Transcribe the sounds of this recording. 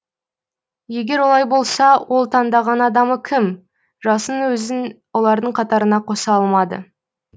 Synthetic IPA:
je̞ɡʲe̞ɾwo̞lˠɑjbo̞lˠsɑwʔo̞lˠt̪ʰɑnd̪ɑʁɑnɑd̪ɑməkʲʰɪm | ʒɑsənəŋwɵzɪnwo̞lˠɑɾd̪əɴqʰɑt̪ɑɾənɑqʰo̞sɑɑlˠmɑd̪ə̰

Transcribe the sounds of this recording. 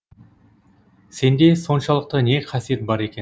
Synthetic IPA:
se̞nd̪e̞so̞nʃɑlˠəq̚t̪əne̞qʰɑsije̞t̪̚bɑɾe̞kʲe

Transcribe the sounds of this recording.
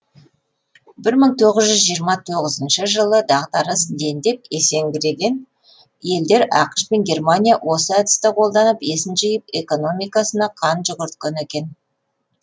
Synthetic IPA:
bɪɾməɴt̪ʰo̞ʁəzʒʏzʒijəɾmɑt̪ʰoʁəzənʃəʒəlˠəd̪ɑʁd̪ɑɾəsd̪e̞nd̪e̞p̚e̞se̞ŋɡʲɪɾe̞ɡʲe̞n | je̞ld̪e̞ɾʔɑ̰qə̥ʃpe̞nɡʲe̞rmanʲijawʔo̞səæd̪ɪ̥st̪ɪqʰo̞lˠd̪ɑnəpe̞sɪnʒəjəp̚e̞ko̞no̞mijkɑsənɑqʰɑnʒʊʁʏɾt̪kʲɪnekʲe̞n

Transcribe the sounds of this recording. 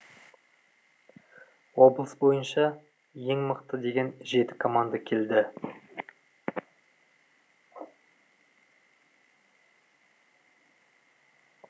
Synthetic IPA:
wo̞blˠəsbo̞jənʃɑ | je̞ŋməqt̪əd̪e̞ɡʲe̞nʒe̞t̪ɪ̥kʰomand̪akʲʰe̞ld̪ɪ

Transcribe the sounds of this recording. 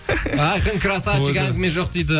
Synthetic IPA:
ɑjqəŋkʰɾasaʃɪɡʲæɡʲmeʒoq̚d̪ejd̪ɪ

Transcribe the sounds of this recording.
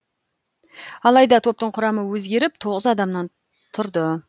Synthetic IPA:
ɑlˠɑjd̪ɑt̪ʰo̞p̚t̪əɴqʰʊɾɑməwɵzɡʲe̞ɾɪp̚t̪ʰo̞ʁəzɑd̪ɑmnɑn | t̪ʰʊɾd̪ə

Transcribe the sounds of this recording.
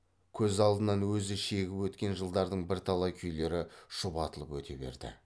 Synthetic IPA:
kʲʰɵzɑlˠd̪ənɑnwɵzɪʃe̞ɡʲɪpwɵt̪kʲe̞nʒəlˠd̪ɑɾd̪əɴbɪɾt̪ʰɑlˠɑkʲʰʏjle̞ɾɪʃʊpɑt̪əlˠəpwɵt̪ʰe̞be̞̰ɾd̪ɪ̰

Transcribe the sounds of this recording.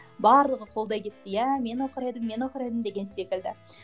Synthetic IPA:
bɑɾlˠəʁəqʰo̞lˠd̪ɑjkʲʰe̞t̪ːɪjæme̞noqəɾejd̪əmːe̞noqəɾejd̪əmd̪e̞ɡʲe̞nse̞kʲɪld̪ɪ

